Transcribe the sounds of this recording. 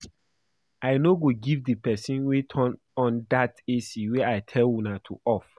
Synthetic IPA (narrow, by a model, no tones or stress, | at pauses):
aɪnoɡoɡivdəpɛsĩnwitʰɔn | ɔ̃ndatesiwɛaɪtʰɛlwunatʰṵɔf